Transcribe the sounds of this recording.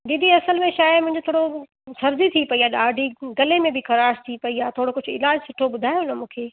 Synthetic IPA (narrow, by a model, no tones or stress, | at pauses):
d̪id̪ʱiɐsəlmẽʃaːmʊ̃ɦɪ̃ɲd͡ʑot̪ʰoːɽo | sɐɾd͡ʑit̪ʰipɐiaːɗaːɖʱiɡɐlemẽbɪkɐɾaːst̪ʰipɐiaːt̪ʰoːɽokʊd͡ʑʱʊɪ̰laːd͡ʑsʊʈʰoɓʊd̪ʱaːjoʊnəmũːkʰeː